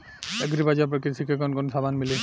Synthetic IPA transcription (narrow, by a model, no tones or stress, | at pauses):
ɛɡɾibazapɹakisʰikɛkɔnkɔnsabanmili